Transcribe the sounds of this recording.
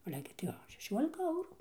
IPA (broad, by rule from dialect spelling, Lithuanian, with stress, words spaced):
ˈɑːlʲɛ ɡʲɪ tɐɪ ˈoː ʃʲɛˈʃʲuɔlʲɪkɐ ˈɐʊruː